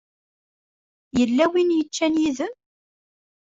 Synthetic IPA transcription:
jəlːæwinjət͡ʃːænjiðəm

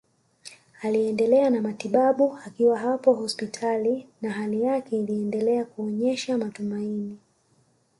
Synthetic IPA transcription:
aliɛndɛlɛanamatiɓaɓuakiwaɦapɔɦɔspitʰalinaɦalijakɛiliɛndɛlɛakuɔɲɛʃamatumaini

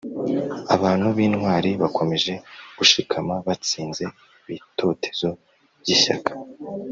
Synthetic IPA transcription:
aβaːn̥huβiːnŋwaːɾiβakʰo̞me̞ʒe̞ɡ̥uʃikʰamaβat͡siːnze̞ | iβito̞tʰe̞̥zo̞ | bjiʃa̰kʰḁ

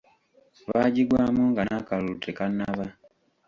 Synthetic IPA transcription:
βa̰ɟiɡwamuŋɡanakaluutʰekanaβa

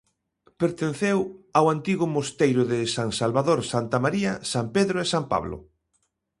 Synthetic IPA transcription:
peɾt̪en̟θewawant̪iɣʊmost̪ejɾʊðɪsaŋsalβaðoɾsant̪amaɾiɐsampeðɾoesampa̰βlʊ̰

